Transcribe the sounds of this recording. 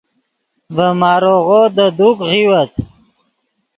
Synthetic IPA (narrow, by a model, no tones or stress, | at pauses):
vəmɑːɾoɣod̪əd̪ukʁiwət̪